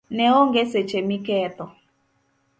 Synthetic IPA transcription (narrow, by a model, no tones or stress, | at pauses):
nɛoŋɡeset͡ʃemikɛːtɔ